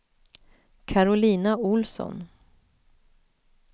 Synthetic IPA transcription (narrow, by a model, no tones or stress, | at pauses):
kʰaɾʊliːnaʊlsɔ̰n